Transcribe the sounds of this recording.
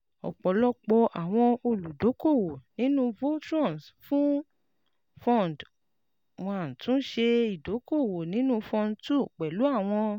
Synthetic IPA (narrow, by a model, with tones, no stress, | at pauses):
ɔ̰˨k͡pɔ˨˦lɔ˦k͡pɔ˧ʔa˨w̃ɔ̃˧o˧˨lu˨do˨˦ko˦˨wo˨nĩ˨˦nũ˦vo˦tɾɔ̃˦˨nsfũ˦ | fɔ̃˦˨n˨d | wɔ̃˧ã˨tũ˨˦ʃe˧i˦˨do˨˦ko˦˨wo˨nĩ˨˦nũ˦fɔ̃˧ntu˦˨k͡pɛ˨lu˨˦a˦˨w̃ɔ̃˧